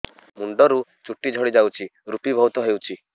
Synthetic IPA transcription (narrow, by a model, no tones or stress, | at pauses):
muɳɖɔɾut͡ʃuʈːid͡ʒʱɔɽid͡ʒawt͡ʃʰiɾupibʱɔwt̪ɔɦewt͡ʃʰi